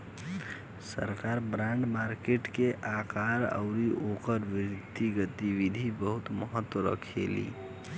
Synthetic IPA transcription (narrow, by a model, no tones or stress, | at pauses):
sə̰ɾkaɾbɾãɳɖmaɾkeʈkeʔakaɾə̰ʊɾiʔokəɾʋiɾt̪ːiɡət̪iʋid̪ʱibəɦut̪məɦət̪ːwəɾə̰kʰḛlḭ